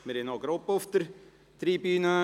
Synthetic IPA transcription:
mɪɾɪnɔɡɾopːʊft̪əɾ | t̪ɾibyːnə

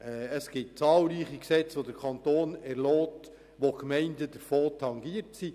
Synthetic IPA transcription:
ɛəsɡ̥ɪt̚t͡sɑːlɾiːχiksɛt͡sʋodəɾkʰɑntoːnɛɾlɔːt | ʋokmɛɪndəd̥əɾfoːtʰɑŋɡiətsi

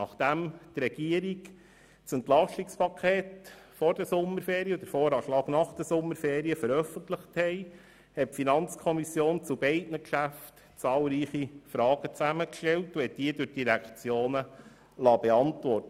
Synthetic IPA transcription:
nɑχd̥æmtɾɛɡ̥iəɾik | t͡sɛnt̪lɑʃtikspʰɑkʰeːt | fɔɾd̥əsʊmːəɾfeːɾiəd̥̪əɾfoːɾɑːʃlɑːɡnɑχd̥əsʊmːəɾfeːɾiəfəɾœfənt̪ləχthɛɪ | hɛtfinɑnt͡skʰɔmisjoːnt͡subɛɪdnəkʃæft | t͡sɑːlˠɾiːχifɾɑːɡ̥ət͡sæməkʃtɛltuɛt̚d̥iːədʊd̥iɾækt͡sjoːnə | lɑːbeɑntvɔrtə

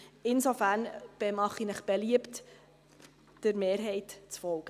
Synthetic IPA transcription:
ɪnsofæɾnb̥emɑχinəχb̥eliəpt | d̥əɾmeːɾɦɛɪtt͡sfɔlɡ̥ə

